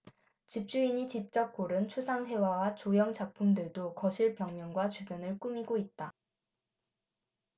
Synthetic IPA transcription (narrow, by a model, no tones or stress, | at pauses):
t͡ɕip̚t͡ɕ͈uiɲit͡ɕip̚t͡ɕ͈ʌk̚k͈oɾɯnt͡ɕʰusʰaŋɦe̞wawat͡ɕojʌŋt͡ɕak̚pʰumdɯɭdokʌɕʰiɭpjʌŋmjʌŋɡwat͡ɕubjʌnɯɭk͈umiɡoit̚t͈a